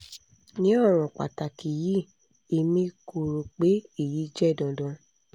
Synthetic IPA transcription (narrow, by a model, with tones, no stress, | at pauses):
nĩ˨˦ɔ˦˨w̃ɔ̃˨k͡pa̰˨ta˨ki˨ji˦ | e˨mĩ˧ko˨ɾo˨k͡pe˨˦e˦˨ji˨˦d͡ʒɛ˦˨dɔ̃˨dɔ̃˧